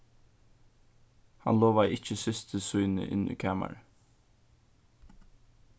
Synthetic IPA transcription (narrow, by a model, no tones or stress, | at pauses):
hɑ̰nloːʋaʔɪc͡çəsɪst̪ʰəsuɪnə̰ʔɪ̰nṵːkʰæːma̰ɹə